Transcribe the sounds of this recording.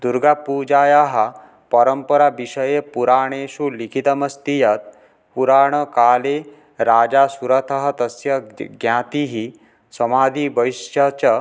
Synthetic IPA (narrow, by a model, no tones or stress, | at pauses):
d̪uɾɡapud͡ʒajaɦa | pəɾəmpəɾabiɕəjepuɾaːɳ̃esuːlikʰit̪əməst̪ijət̪̚ | puɾaɳ̃əkaːle | ɾad͡ʑasuɾɐt̪ʰaɦɐt̪əsjɐɡjãt̪iɦi | səmaːd̪ʱiːbəʋisjat͡ɕə